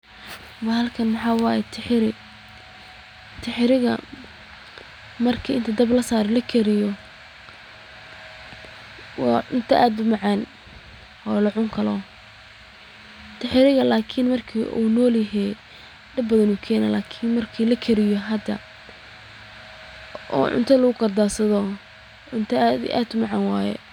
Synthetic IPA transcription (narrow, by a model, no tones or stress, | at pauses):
wɑhɐlkʰɐnmɑħɑːwɑːjɛt̪ʰɪħɪɾɪ | t̪ʰɪħɪɾɪɣɐ̰ | mɐrkʰiːɪnt̪ʰɐd̪ɐblɐsaːɾɛlɐkʰɛɾɪjɔ | wɑ̰ːʊnt̪ʰɐʔaːd̪ʊmɑʕɑːn | ʔɔːlɐʕʊŋkʰɐlɔ | t̪ʰɐħɪɾɪɣɐlaːkʰɪnmɐrkʰḭːʔṵnɔːljɐɦɛj | ɖɐbbɐðɐnuːkʰɛːnɐlaːkʰɪnmɐrkʰiːlɐkʰɛɾɪjɔɦɐd̪ɐ | ɔ̰ːʕʊ̰nt̪ʰɐlɐɣʊkʰɐrd̪aːsɐðɔ | ʕʊnt̪ʰɐd̪ḭʔa̰ːd̪ʊmɑʕɑnwaːjɛ̰